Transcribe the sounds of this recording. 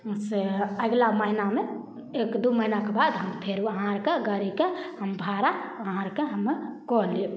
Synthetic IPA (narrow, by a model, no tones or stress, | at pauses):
seəɡlaməɦiname | ekd̪uməɦinakebad̪ɦəmpʰeɾuəɦãɾkeɡəɾikehəmbʱaɾaəɦãɾkeɦəmːekɔli